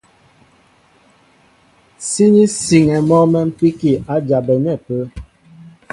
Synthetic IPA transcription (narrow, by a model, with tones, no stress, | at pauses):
si˦ni˦si˨ŋɛ˨mɔ˦mɛ˦m̩˦pi˦ki˨a˨˦d͡ʒa˨bɛ˨nɛ˦˨pə˨˦